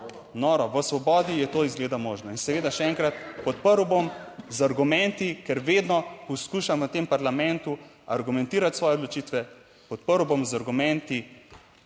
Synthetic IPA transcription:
nɔːɾɔʋəsʋɔbɔːd̪ijɛt̪oːizɡleːd̪amoːʒnɔinsɛʋeːd̪aʃɛɛŋkɾat̪pɔt̪̚pəɾwbomzaɾɡumɛnt̪ikɛɾʋeːd̪nɔpɔskuːʃamʋət̪empaɾlamɛ̃nt̪u | aɾɡumɛ̃nt̪iːɾat̪sʋɔːjɛod̪lɔt͡ʃiːt̪ʋɛ | pɔt̪pəɾwbomzaɾɡumɛ̃nt̪i

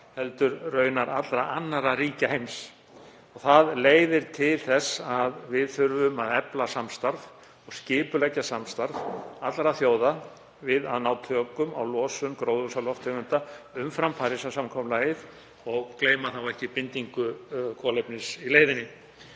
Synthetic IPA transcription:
hɛlt̪ʏɾrœːɥnaɾat̪lɾaʔanːaɾaɾiːcahejms | ɔɣθaðleːjðɪɾt̪ʰɪlθɛsaðvɪðθʏɾvʏmaðɛplasamst̪aɾv | ɔɣscɪːpʏlɛcːasamst̪aɾvat̪lɾaθjoːwða | vɪða̰ðnaːwt̪ʰœkʏma̰wlɔːsʏmkɾowðvusalɔft̪ʰʏmʏnt̪aʏmfɾampʰaːɾisasamkʰɔmlajɪð | ɔɣkleːjmaθawɛhcɪpɪnt̪iŋkʏkʰɔːlejpnɪsileːjðɪnːɪ

